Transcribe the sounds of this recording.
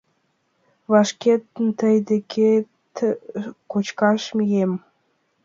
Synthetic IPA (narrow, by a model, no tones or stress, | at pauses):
βɑʃket̪ənt̪əjd̪ekʰe | t̪kot͡ɕkɑʃmijem